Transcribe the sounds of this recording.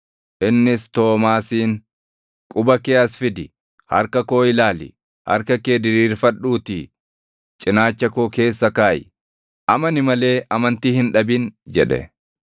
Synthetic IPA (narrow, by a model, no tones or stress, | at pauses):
ʔɪnːɪst̪o̞ːmaːsiːŋ | kʼʊbɐkeːɐsfɪd̪ɪ | hɐ̰ɾkɐko̞ːɪlaːlɪ̰ | hɐ̰ɾkɐkeːd̪ɪɾiːɾfɐᶑuːt̪iː | t͡ʃʼɪnaːt͡ʃːɐkoːke̞ːsːɐkaːjɪ | ʔɐmɐnɪmɐle̞ːɐmɐnt̪iːhɪnᶑɐbiːnd͡ʒɛᶑɛ̰